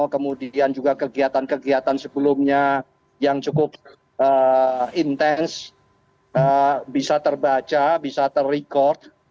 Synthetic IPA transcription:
kəmudiand͡ʒuɡakəɡiat̪ankəɡiat̪ansəbəlʊmɲa | jaŋt͡ʃukʊp̚ | ʔəint̪ɛns | əbisat̪ərbat͡ʃabisat̪ərːikɔrt̪̚

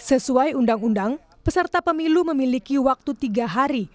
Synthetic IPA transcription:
səsuajundaŋundaŋ | pəsərt̪apəmiluməmilikiwak̚t̪ut̪iɡaɦaɾi

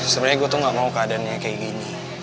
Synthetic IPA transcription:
səməɾaɡot̪ɔŋɡaʔmaukaadanɲakaiɡini

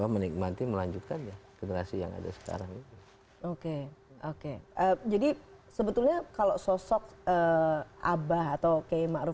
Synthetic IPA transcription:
amənik̚mat̪iməlaɲd͡ʒut̪̚kanjaɡ̥enəɾasija̰ŋa̰da̰sə̥ka̰ɾaŋit̪u | okeokeəd͡ʒadisəbət̪ulɲakalososɔk̚əʔabaɦat̪awkamaʔɾu

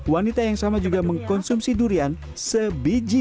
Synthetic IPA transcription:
wanit̪ajaŋsamad͡ʒuɡaməŋkɔnsumsiduɾian | səbid͡ʒi

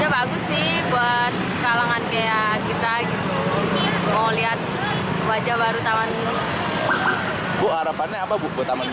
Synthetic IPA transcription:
d͡ʒabaɡʊsːɪhbuat̪̚kalaŋankaja | kit̪aɡit̪u | moliɦat̪̚ | wad͡ʒabaɾut̪amanuni | bɔʔhaɾapanɛapabbuat̪aman

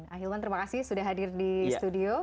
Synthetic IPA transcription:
aɦilmant̪əɾimakasɪhsudahɦadirdist̪udio

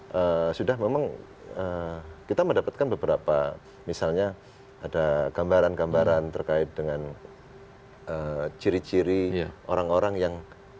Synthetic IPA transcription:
ʔəsudahmemaŋ | əkit̪aməndapat̪̚kanbəbəɾapa | misalɲa | adaɡ̥ambaɾanɡambaɾant̪ərkaɪt̪̚dəŋan | ət͡ʃiɾit͡ʃiɾiʔoɾaŋoɾaŋjaŋ

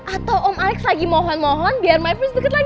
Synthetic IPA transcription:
ʔat̪awʔɔmalɛkslaɡimɔɦɔnmɔɦɔnbiarmajfɾʊsdəkət̪̚laɡ

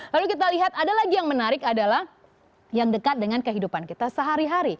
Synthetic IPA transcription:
lalukit̪̬aliɦat̪adalaɡijaŋmənaɾɪkadalah | jaŋdəkat̪̚dəŋankəɦidupankit̪asəɦaɾiɦaɾi

